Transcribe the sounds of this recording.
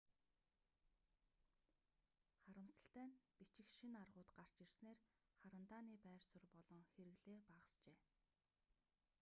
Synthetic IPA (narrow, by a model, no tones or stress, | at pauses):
χaɾə̆msə̥̆ɬt̪æːnpit͡ɕɪ̆xʃinarʁʊːt̪ɢar̥t͡ɕirsneːr | χaɾə̆nt̪aːniːpæːrsʊ̆rpɔɮɞ̆ŋxeɾɘ̆ɣɮeːpaʁə̆st͡ɕeː